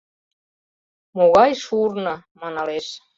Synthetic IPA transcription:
moɣɑjʃurnɤmɑnɑleʃ

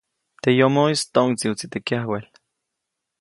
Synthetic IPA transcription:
t̪ejomoist̪oŋt͡siwt͡sit̪ekiahwel

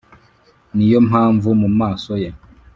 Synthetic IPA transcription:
nijomaːɱvumumaːsoja

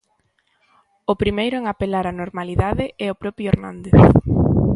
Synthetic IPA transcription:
ʊpɾimejɾʊɛŋapelaɾanoɾmaliðaðɪɛʊpɾɔpɾjʊeɾnãnd̪eθ

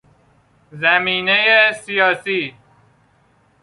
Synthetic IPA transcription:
zæmiːnejesijɒːsiː

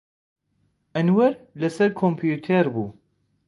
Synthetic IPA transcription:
ɛnwɛɾlɛsɛɾkʰompʰjuːt̪ʰeɾbuː

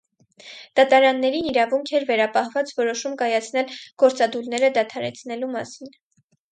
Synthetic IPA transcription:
d̪̥ɑt̪ɑɾɑnːɛɾiniɾɑvuŋkʰɛɾvɛɾɑpɑhvɑt͡svɔɾɔʃumkɑjɑt͡sʰnɛlɡ̥ɔɾt͡sɑd̪ulnɛɾəd̪ɑt̪ʰɑɾɛ̰t͡sʰnɛlumɑsin

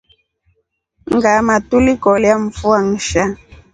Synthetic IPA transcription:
ŋɡamatulikɔljaɱ̩fuaŋ̩ʃa

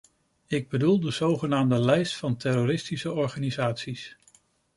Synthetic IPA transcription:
ɪɡ̚bədulˠdəz̥owχənaːmdəlɛjstfɑntɛɾoɾɪstisəɔɹχaːnizaːtsis

